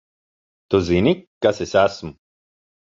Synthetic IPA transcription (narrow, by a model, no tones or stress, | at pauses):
t̪uzinikːasesasm